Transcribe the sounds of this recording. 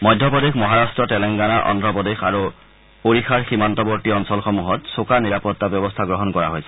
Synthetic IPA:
mɔjdʱjɔpɔd̪exmɔɦaɹastɹɔtɛlɛŋɡanaʔɔ̰ndɹɔpɔdexa̰ɹu | oɹixʰaɹximantɔbɔɹtiɔnsɔlxɔmuɦɔtsokaniɹapɔt̪ːabjɔbɔst̪ʰaɡɹɔɦɔnkɔɹaɦojsɛ̥

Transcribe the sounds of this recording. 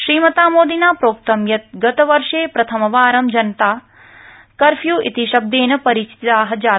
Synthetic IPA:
ʃɾiːmɐt̪aːmoːd̪inaːpɾoːk̚t̪ɐmjɐt̪̚ɡɐt̪ɐʋɐɾʂeːpɾɐt̪ʰɐmɐʋaːɾɐmd͡ʒɐnɐt̪aː | kɐɾfʰjuːʔḭt̪iʃɐb̚d̪eːnɐpɐɾiːt͡ʃi̥t̪t̪aːɦɐ̆d͡ʒaː

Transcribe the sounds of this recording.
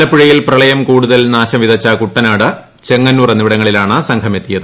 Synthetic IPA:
lɐpːiɻɐjilprɐɭɐjɐmkuːɽuðɐlnaːɕɐmʋiðɐt͡ɕːɐkuʈːɐnaːɽɨ | t͡ɕe̞ŋːɐnːuːrɐniʋiɽɐŋːɐɭilaːɳɐsɐŋkʰɐme̞t̪ːijɐðɨ

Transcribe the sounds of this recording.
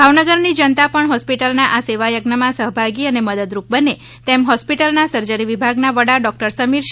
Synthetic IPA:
bʱaʋnəɡəɾnid͡ʒənt̪apəɳɦɔspiʈəlnaʔaseʋajəɡnəmãsəɦbʱaɡiəneməd̪əd̪ɾup̚bəne | t̪emɦɔspiʈəlnasəɾd͡ʒəɾiʋibʱaɡnaʋəɽaɖɔk̚ʈəɾsəmiɾʃ

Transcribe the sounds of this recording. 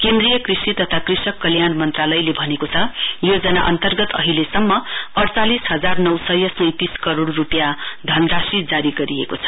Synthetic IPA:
kend̪rijʌkrisit̪ʌt̪ʰakrisʌkːʌljanmʌnt̪ralʌjlebʱʌnekot͡sʰʌjod͡zʌnaʔʌ̰nt̪ʌrɡʌt̪ʌɦilesʌmːʌʌɽt͡salisɦʌd͡zarnʌwsʌjʌsʌj̃t̪iskʌɾoɽrupjad̪ʱʌnrasid͡zaɾiɡʌɾiḛkot͡sʰʌ̥

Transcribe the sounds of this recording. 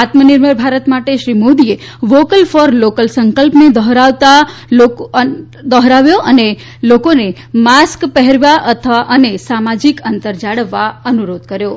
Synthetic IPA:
at̪mənɪɾməɾbʱaɾət̪maʈeʃɾimod̪ie | ʋokəlfɔɾlokəlsəŋkəlpned̪ɔɦɾaʋt̪ao | d̪ɔɦɾaʋjoʔəne | lokone | maskpəɦɛɾʋaʔət̪ʰəʋaʔənesamad͡ʒikənt̪əɾd͡ʒaɽəʋːaənuɾod̪kəɾjo

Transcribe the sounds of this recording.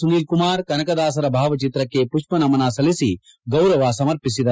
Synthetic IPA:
suniːlkumaːɾkɐnɐkɐd̪aːs̬ɐɾɐbʱaːʋɐt͡ʃit̪ɾɐkeːpuʃpɐnɐmɐnaːsɐlisi | ɡɐwɾɐʋaːsɐmɐɾpis̬id̪ɐ

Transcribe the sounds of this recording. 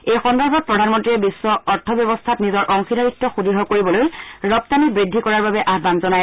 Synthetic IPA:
ejxɔndɔɹbʱɔt̚pɹɔdʱanmɔntɹiɛbisːɔɔɹtʰɔbjɔβɔstʰatnizɔɹʔɔŋxidaɹitːɔxudʱiɦɔkoɹibɔlojɹɔp̚tanibɹidʱːikɔɹaɹbabɛʔaɦbanzɔnaj

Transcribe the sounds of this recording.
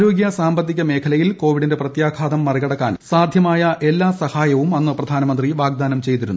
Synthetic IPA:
ɾo̞ːɡjɐsaːmbɐd̪ʱːiɣʲɐme̞ːkʰɐlɐjilko̞ːʋiɽindeprɐt̪jaːkʰaːd̪ɐmːɐriɣɐɽɐkːa̰ːnsaːd̪ʱjɐmaːjɐʔe̞lːaːsɐhaːjɐʋumɐnːɨprɐd̪ʱaːnɐmɐnd̪riʋaːɡ̚d̪aːnɐmt͡ɕe̞jt̪iɾunː

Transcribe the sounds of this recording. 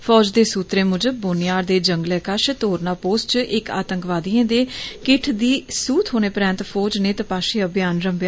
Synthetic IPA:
pʰɔːd͡ʒd̪eːsuːt̪ɾeːmʊd͡ʒəbʊnɪjaːɽd̪eːd͡ʒəŋɡlɛːkaʃt̪oːɾnaːpoːsʈt͡ʃʔɪka̰ːt̪əŋkʋaːd̪iːẽːd̪eːkɪʈʰd̪iːsuːt̪ɦoːneːpɾɛ̃ːnt̪pʰoːd͡ʒneːt̪əpaːʃiːəbjaːnɾəmbjaː

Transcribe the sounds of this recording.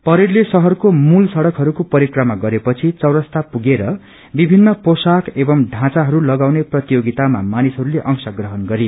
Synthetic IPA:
pʌɾirlesʌɦʌrkomulsʌɽʌkɦʌɾukopʌɾikrʌmaɡʌɾepʌt͡sʰit͡sʌwɾʌst̪apuɡeɾʌ | bibʱinːʌposakʰebʌmɖʱãt͡saɦʌɾulʌɡawneprʌt̪ijoɡit̪ama̰manisɦʌɾuleʔʌŋsʌɡrʌɦʌnɡʌɾi

